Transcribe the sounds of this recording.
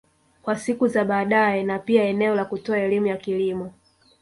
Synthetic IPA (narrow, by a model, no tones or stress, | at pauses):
kwasikuzaɓaːɗaɛnapiaɛnɛɔlakutɔaɛlimujakilimɔ